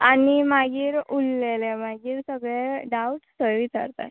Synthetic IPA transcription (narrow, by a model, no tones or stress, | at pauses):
animaɡiːɾulːelemaɡiːɾsəɡɭɛɖauʈsəɾʋita̰ɾt̪a̰